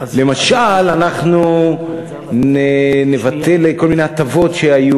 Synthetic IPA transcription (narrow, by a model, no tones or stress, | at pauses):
le̞maʃalanaχnu | nenevat̪e̞lko̞lmineat̪avo̞tʃe̞aju